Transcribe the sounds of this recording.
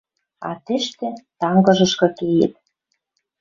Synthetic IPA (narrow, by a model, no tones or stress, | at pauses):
ɑ̰t̪ĕʃt̪ĕt̪ɑŋɡɤ̆ʒɤ̆ʃkɤ̆kejḛ̆t̪̚